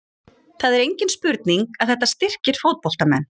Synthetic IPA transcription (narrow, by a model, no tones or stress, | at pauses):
θaðɛɾejɲcɪnspʏɾt̪niŋkaðθɛht̪ːast̪ɪr̥cɪɾ̥foːwt̪̚pɔl̥t̪amɛn